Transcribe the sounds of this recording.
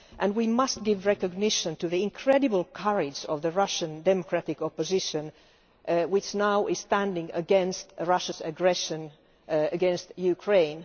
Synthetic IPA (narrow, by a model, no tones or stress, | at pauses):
ʔɨ̃nwimʌst̚ɡ̥ɪvɹɛkɨɡ̚nɪʃɨ̃ntɨðiɪ̃nkʰɹ̥ɛdɨbəl̩ˠkʰʌɹɪd͡ʒɔ̰vðəɹʌʃɨ̃ndɛmɔkʰɹ̥æɾɪkɔpɨzɪʃɨ̃n | wɪt͡ʃnaʊʔɪz̥stæ̃ndɪ̃ŋə̰ɡɛ̃nstɹʌʃɨzɨɡɹɛʃɨ̃n | ɨɡɛ̃nstjʉkʰɹ̥ẽɪ̃n